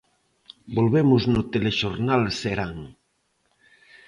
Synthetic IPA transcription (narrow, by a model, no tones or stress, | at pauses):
bolβemʊznot̪eleʃoɾnalseɾaŋ